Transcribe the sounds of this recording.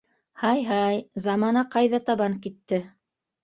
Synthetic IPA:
hɑjɦɑjzɑmɑnɑqɑjðɑt̪ɑβɑŋkit̪ːɘ

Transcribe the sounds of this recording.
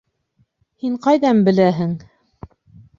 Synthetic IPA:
hiɴqɑjðɑmbɘ̆læɦɘŋ

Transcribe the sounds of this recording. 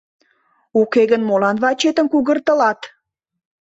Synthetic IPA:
ukeɣənmolɑnβɑt͡ɕet̪ə̆mkuɣərt̪əlɑt̪

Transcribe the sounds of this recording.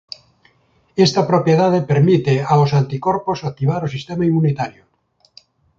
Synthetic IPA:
est̪apɾopjeðað̞epeɾmit̪eaosant̪ikoɾposak̚t̪iβ̞aɾosist̪emaimunit̪aɾjo

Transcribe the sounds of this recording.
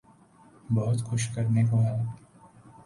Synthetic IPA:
bɔɦʊt̪xʊʃkɐɾnekoɦɛ

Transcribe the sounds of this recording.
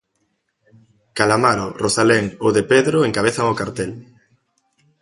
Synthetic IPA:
kalamaɾorosaleŋoðepeðɾoeŋkaβ̞eθaŋokaɾt̪el

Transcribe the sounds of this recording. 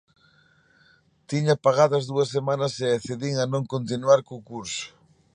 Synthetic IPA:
t̪iɲapaɣaðɐzðuɐsemanɐseaθeðiŋɐnõŋkont̪inwaɾkoːkuɾsʊ̥

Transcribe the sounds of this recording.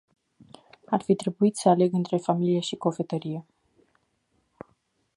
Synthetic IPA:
arfit̪ɾe̞buit̪səale̞ɡɨnt̪ɾe̞familieʃiko̞fe̞t̪əɾije̞

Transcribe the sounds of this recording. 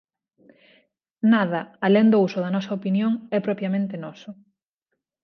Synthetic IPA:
naðɐaleŋd̪ousʊðɐnɔsɐopinjoŋɛpɾɔpɾjamẽnt̪enɔsʊ

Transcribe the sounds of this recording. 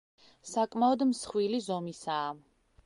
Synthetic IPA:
sakʼmaɔd̪msχwilizɔmisaː

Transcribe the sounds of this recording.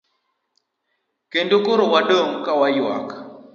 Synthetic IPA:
kendokoɾowadoŋkawajwa̰k

